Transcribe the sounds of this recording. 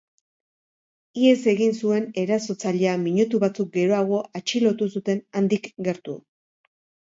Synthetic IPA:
ie̞se̞ɣinsue̞ne̞ɾaso̞t͡saʎeamiɲut̪uβat͡suk̚ɡe̞ɾo̞aɣ̞o̞ʔat͡ʃilo̞t̪usut̪e̞nand̪ikɡe̞ɾt̪u

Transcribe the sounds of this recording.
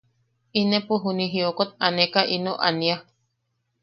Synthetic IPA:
inepoɦunĩɦiokot̪̚anekaʔinoʔa̰nia

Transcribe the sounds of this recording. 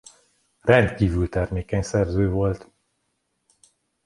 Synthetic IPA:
rɛnt̪kiːvylt̪ɛrmeːkɛɲsɛrzøːvo̞lt̪

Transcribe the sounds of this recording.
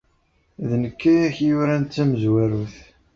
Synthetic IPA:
ðnəkːæjæçjʊɾænt̪ːæməzwæɾuθ

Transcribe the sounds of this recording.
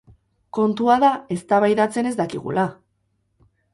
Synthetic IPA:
ko̞nt̪uaðae̞st̪aβajðat͡se̞ne̞zd̪akiɣ̞ṵla

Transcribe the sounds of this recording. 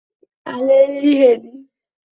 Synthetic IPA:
aleiɾiɦedi

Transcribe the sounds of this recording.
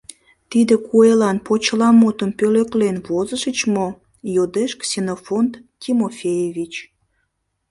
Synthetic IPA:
t̪id̪ekuelɑnpot͡ɕlɑmot̪əmpøløklenβozəʃət͡ɕmo | jod̪eʃksʲenofont̪kimofʲejevʲit͡ɕ

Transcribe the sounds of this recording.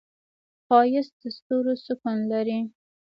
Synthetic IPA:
fɑjɪsd̪̥əst̪oɾosʊkʊnlaɾi

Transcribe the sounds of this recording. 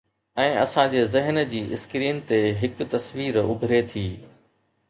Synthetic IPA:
ɛ̃ːɐsãd͡ʑeːzɪɦnd͡ʑiːʔɪskɾiːnt̪eɦɪkt̪ɐsʋiːɾʊ̰bʱɪɾet̪ʰiː

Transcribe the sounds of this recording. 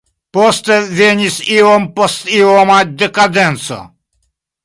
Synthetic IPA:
pɔst̪ɛvenʲisiwɔmpɔst̪iwɔmad̪ɛkad̪ɛnsɔ̰

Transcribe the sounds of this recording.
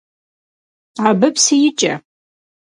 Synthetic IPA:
abɨpʰsijɪt͡ʃʼa

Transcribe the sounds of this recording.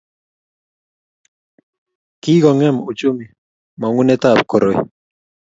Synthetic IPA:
kiɡoŋemut͡ʃumi | maŋunet̪ap̚koɾoj

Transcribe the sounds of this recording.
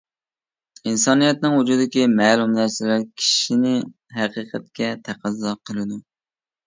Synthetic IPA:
insɑnijɛt̪nɨŋud͡ʒud̪ɪkʲimɛlˠumnæɾsɪlæɾkʲʰi̥ʃinɪ | ɦæqɨqʰæt̪̚kʲɛt̪ʰæqʰæzːɑqʰəlˠɨd̪u

